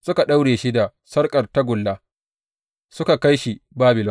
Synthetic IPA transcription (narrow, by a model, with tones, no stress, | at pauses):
sʊ˦ka˨ɗa˦wɽeː˨ʃi˦da˨ | sɐ˦rkʼɐ˨rta˦ɡʷʊ˨lːaː˦ | sʊ˦ka˨ka˦jʃi˦baː˦bɪ˨lɔ˦